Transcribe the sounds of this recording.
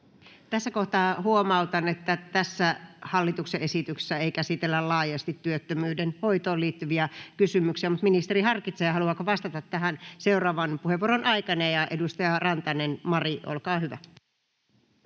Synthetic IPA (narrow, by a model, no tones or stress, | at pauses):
t̪æsːækoht̪ɑːhuomɑut̪ɑnet̪ːæt̪æsːæhɑlːit̪ukseʔesit̪ykse̥sːæeikæsit̪elːællɑːjɑst̪it̪ːyøt̪ːømyːdenhojt̪oːliːt̪ːyʋiækysymyksiæmut̪minist̪eɾihɑrkit̪seːhɑluɑkoʋɑst̪ɑt̪ɑt̪ːæɦænseurɑːʋɑnpuheʋːuoɾonʔɑikɑnejjɑʔedust̪ɑjɑrɑnt̪ɑnenmɑriʔo̰lkɑːhyʋæ̰